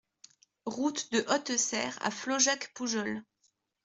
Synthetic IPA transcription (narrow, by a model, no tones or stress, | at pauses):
ʁut̪d̪əʔɔt̪sɛ̰ːʁa̰flɔʒakpuʒɔl